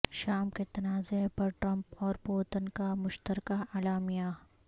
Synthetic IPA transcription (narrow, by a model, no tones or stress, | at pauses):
ʃaːmket̪ɐnaːzepɐɾʈɾɐ̃mpɔːɾpoːt̪ənkamʊʃt̪əɾkaalaːmija